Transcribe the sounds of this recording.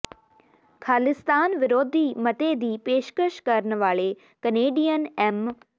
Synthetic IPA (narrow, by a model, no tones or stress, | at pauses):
kʰaːlɪst̪aːnʋɪɾoːd̪ʱimɐt̪ed̪ʱiːpeːʃkəʃkɐɾən̆ʋaːɭe | kɐneːɖijənɛːm